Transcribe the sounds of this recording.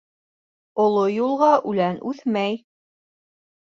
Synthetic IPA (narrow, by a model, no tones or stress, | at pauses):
ŏlˠojulˠʁɑʔʉlænʔʉθmæj